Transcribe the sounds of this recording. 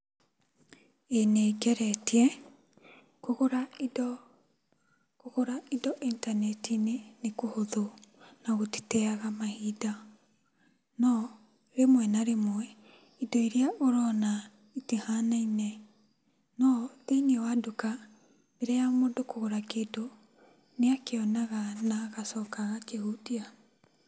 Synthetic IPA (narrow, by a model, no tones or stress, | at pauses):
enekɛɾɛtiɛ | koɣoɾaid | koɣoɾaidɔʔintanɛtinenekohoðonaɣote̥tɛaɣamahida | nɔ | ɾemwɛnaɾemwɛ | idɔiɾiaʔoɾɔna | itehanainɛ | nɔðeiniɛwaduka | βeɾɛjamodokoɣoɾakedo | neakeɔnaɣanaɣasɔːkaɣakehudia